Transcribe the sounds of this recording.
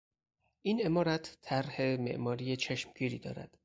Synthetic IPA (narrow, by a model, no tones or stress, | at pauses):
ʔine̞mɒːɾæt̪ʰːæɾhe̞me̞̰ʔmɒːɾijet͡ʃʰeʃmɟiːɾiːd̪ɒ̰ːɾæ̰d̪̥